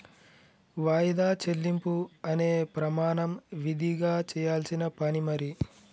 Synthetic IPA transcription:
ʋaːjid̪aːt͡ʃelːimpuɐne̞ːpɾɐmaːɳɐmʋid̪ʱiɡaːt͡ʃɛːjaːlsinɐpɐnimɐɾi

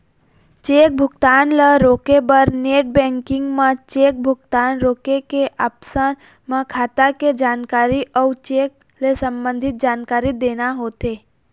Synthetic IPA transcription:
t͡ʃeːk̚bʱʊkt̪aːnleɾoːkebəɾneːʈ̚bɛ̃ːŋkɪ̃ŋɡmãt͡ʃeːk̚bʱʊkt̪aːnɾoːkekeʔaːpsən | mãkʰaːt̪aked͡ʒaːnkaːɾiʔɔːt͡ʃeːk̚ | lesə̃mbə̃nd̪ʱɪt̪̚d͡ʒaːnkaːɾid̪eːnaɦoːt̪eː

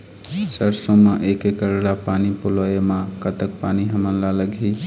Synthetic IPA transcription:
səɾsõmãʔekekəɾelapanipuloemãkət̪ək̚paniɦəmənlaləɡʱi

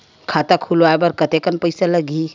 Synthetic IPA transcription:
kʰat̪akʰuloaebəɾkət̪ekənpəjsaləɡʱi

